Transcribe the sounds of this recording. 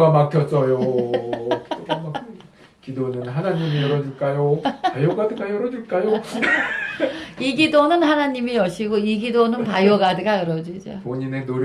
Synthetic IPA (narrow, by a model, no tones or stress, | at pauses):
ɡamak̚kʰjʌs͈ʌjo | koʌmaɯ | kidonɯnɦanaɲimijʌɾʌd͡ʑiɭk͈ajopajoɡadɯɡajʌɾʌd͡ʑiɭk͈ajo | iɡidonɯnhanaɲimijʌɕʰiɡoiɡidonɯnpajoɡadɯɡajʌɾʌd͡ʑid͡ʑo̰poɲine̞noɾ